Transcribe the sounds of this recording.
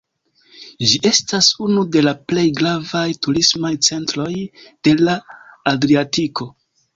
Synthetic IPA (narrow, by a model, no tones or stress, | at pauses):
d͡ʒiʔe̞stasunude̞laple̞jɡɾavajtuɾismajt͡se̞ntɾo̞jd̥e̞laːdɾiatiko̞